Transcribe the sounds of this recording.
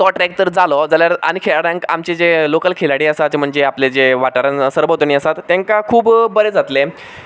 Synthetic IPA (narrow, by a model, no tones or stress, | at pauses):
sɔʈɾɛk̚t̪əɾd͡zalɔd͡zaljaɾa̰ñikʰeɭaɽãŋka̰mt͡ɕed͡zelokəlkʰelaɽiːəsat͡ɕm̤əɳd͡zeapled͡zeʋaʈaɾənsəɾbət̪niəsat̪ːẽŋkakʰuːbːəɾed͡zat̪le